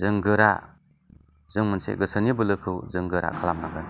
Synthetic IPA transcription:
zɯŋɡɯɾa̰ | zɯŋmɯnsḛɡɯsɯnibɯlɯkʰɯwzɯŋɡɯɾa̰kʰalamnaɡɯn

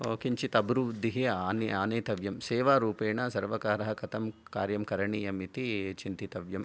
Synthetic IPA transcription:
kiɲt͡ʃit̪ɐbɾuʋd̪iɦeaːniaːneːt̪ɐʋjɐmseːʋaːɾuːpeːɳɐsɐɾʋɐkaːɾɐɦɐkɐt̪ɐmkaːɾjɐmkɐɾɐɳijɐmit̪it͡ʃint̪it̪ɐʋjɐm

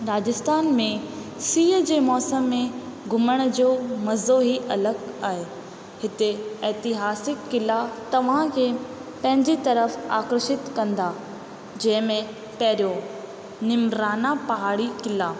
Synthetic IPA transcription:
ɾaːd͡ʑɪst̪aːnmẽsiːɦəd͡ʑeːmɔːsəmːẽɡʱʊməɽ̃d͡ʑoːmɐzoɦiɐləɡaːɦeː | hɪt̪eɛːt̪ɪɦaːsɪkːɪlat̪ɐʋ̤ãkʰeː | pɐ̃ɦɪ̃ɲd͡ʑit̪ɐɾəfa̰ːkɾʃɪt̪kɐ̃nd̪a | d͡ʑɐ̃ɦɪ̃mẽ | pɐɦɪɾijo | nɪmɾaːnapɐɦaːɽikɪla

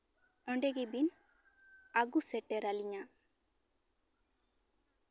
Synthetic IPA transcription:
əɳɖɛɡibin | aɡusɛʈɛɾaliɲa

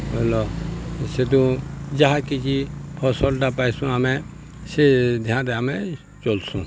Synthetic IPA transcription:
ɦolɔsed̪ũd͡ʒaɦakit͡ʃipʰɔsɔlʈapajsũamɛ̃ | sed̪ʱjãnɾɛamɛ | t͡ʃolsũ

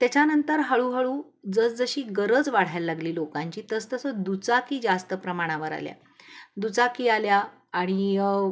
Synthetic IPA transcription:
t̪jat͡ɕanənt̪əɾɦəɭuːɦəɭuː | d͡zəsd͡zəɕiːɡəɾəd͡zʋaɽ̤ajalːaɡliːlokãɲt͡ɕiːt̪əst̪əsəd̪ut͡sakiːd͡zast̪əpɾəmaɽ̃aʋəɾa̰lja̰ | d̪ut͡sakiːaljaː | ɽ̃i

